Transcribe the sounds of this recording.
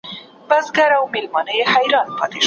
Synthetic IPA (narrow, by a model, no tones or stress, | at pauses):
bazɡaɾawmelmɑnəjehajɾɑnpʰɑ̰t̪eʃ